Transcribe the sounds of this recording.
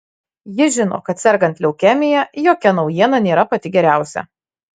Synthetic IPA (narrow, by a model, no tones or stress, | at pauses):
jɪʒʲɪno̰ːkɐt̪sʲɛɾɡɐnt̪ʲlʲɛʊkʲæːmʲɪjɛjoːkʲɛnɒʊjiɛnɐnʲeːɾɐpɐt̪ʲɪɡʲɛɾʲæˑʊsʲɛ̰